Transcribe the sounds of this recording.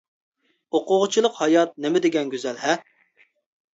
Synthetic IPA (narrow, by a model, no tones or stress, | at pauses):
oqʊʁʊt͡ʃʰilˠəqhɑjɑt̪̚nemɪd̪eɡʲɛnɡʲøzɛlɦɛ